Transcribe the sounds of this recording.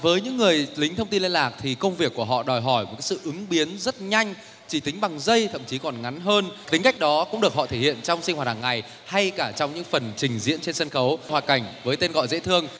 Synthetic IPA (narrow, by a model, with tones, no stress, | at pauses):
vəː˨˦jɲɨ̰˧˥ŋːɨ˨˩əjlï˨˦ŋt̪ʰə˧wŋ͡mt̪i˧nle˧nlaː˨˩k̚t̪ʰi˨˩kə˧wŋ͡mvi˨˩əkːu˧˩əɦɔ̰˧˨ɗɔ˨˩jɦɔ˧˩jmo˨˩kaː˨˦sɨ̰˧˨ʔɨ˨˦ŋɓi˨˦ənzə˦˥t̚ɲa˧jŋ̟ | t͡ɕi˧˩t̪ï˨˦ŋ̟ɓa˨˩ŋzə˧jt̪ʰə̰˧˨mt͡ɕi˨˦kɔ˨˩nŋa˨˦nɦəː˧nt̪ï˨˦ŋ̟ka˦˥jk̚ɗɔ˨˦kʊ̰˧˥ŋ͡mɗɨ˨˩ək̚hɔ̰˧˨t̪ʰe˧˩hḭ˧˨ənt͡ɕɔ˧wŋ͡msi̟˧hwaː˨˩t̚haː˨˩ŋːa˨˩j | ha˧jkaː˧˩t͡ɕɔ˧wŋ͡mɲɨ̰˧˥ŋfə˨˩nt͡ɕï˨˩ŋ̟zḭ˧˥ənt͡ɕe˧nsə˧nxə˨˦whwaː˨˩ka˧˩jŋ̟vəː˨˦jt̪e˧nɣɔ̰˧˨jzḛ˧˥t̪ʰɨ˧əŋ